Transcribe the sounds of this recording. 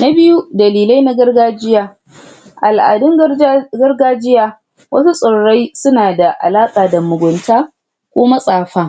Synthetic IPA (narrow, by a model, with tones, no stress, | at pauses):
na˦bɪ˦ju˦dɐ˨liː˨la˦jna˦ɡɐ˦rɡaː˦d͡ʒɪ˦jaː˦ | ʔa˨lʔa̰ː˨dɪ˦ŋɡɐ˦rɡaː˦d͡ʒɪ˦jaː˦ | wɐ˦su˦sʼɔ˨ɽɽa˦jsʊ˦naː˨da˨ʔa̰˨laː˦kʼaː˨dɐ˨mʊ˨ɡʷʊ˨ntaː˦ | kʷoː˦mɐ˦sʼaː˨ɸaː˦